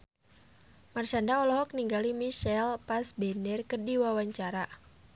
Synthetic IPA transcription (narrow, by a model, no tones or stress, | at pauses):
mart͡ʃandaɔlɔɦɔk̚niŋɡalimiʃɛlpasbɛndɛrkərdiwawaɲt͡ʃaɾa